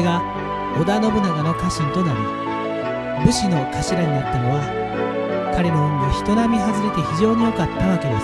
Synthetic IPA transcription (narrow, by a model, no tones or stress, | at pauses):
ɡa | od̪ano̞bɯ̟naɡano̞kaɕĩnt̪o̞naɾi | bɯ̟ɕino̞kaɕiɾaɲ̟inat̪ːano̞βa | kaɾe̞no̞ɯ̃ŋɡoçi̥t̪o̞namʲiɦazɨɾe̞t̪e̞çiʑo̞ːɲ̟ijo̞kat̪ːaβake̞d̪es